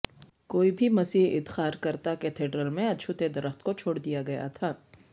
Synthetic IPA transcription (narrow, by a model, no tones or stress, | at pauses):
koːibʱimɐsiːɦɪ̰dt̪xaːɾkɐɾt̪aket̪ʰeːɖɾəlmẽɐʃʰut̪ed̪ɐɾəxt̪kot͡ʃʰoːɽd̪ijaɡɐja̰t̪ʰaː